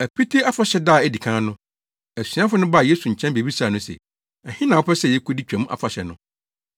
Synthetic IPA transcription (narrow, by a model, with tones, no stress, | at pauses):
æ˨pʰi˦tʰi˦a˦fa˨ɕɛ˦daː˦˨æ˨di˨kʰã˦nʊ̃˦ | æ˨sɥa˦fʊ˦nʊ̃˦ba˦˨je˦su˨ɲ̩˨t͡ɕʰɛ̃˦nbe˨bi˦saː˨nʊ̃˦sɛ̰˨ | ɛ˨hɪ̃˦nã˨wɔ˦pɛ˦sɛ˦˨jɛ˦kʰo˦di˦t͡ɕᶣæ̃˨mũ˦ʔa̰˨fa˨ɕɛ˨nʊ̃˦